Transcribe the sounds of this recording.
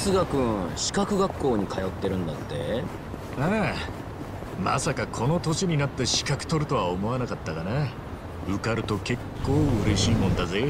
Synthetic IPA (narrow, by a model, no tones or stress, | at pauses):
sɨɡakɯ̟̃ɕi̥kakɯ̟ɡakːo̞ːɲ̟ikʰajo̞t̪ːe̞ɾɯ̟̃nd̪at̪ːe̞̰ | a | ma̰sakakʰo̞no̞t̪o̞ɕiɲ̟inat̪ːe̞ɕi̥kakɯ̥t̪o̞ɾɯ̟t̪o̞βaomo̞anakat̪ːaɡane | ɯ̟kaɾɯ̟t̪o̞ke̞kʰːo̞ːɯ̟ɾe̞ɕiːmõnd̪aze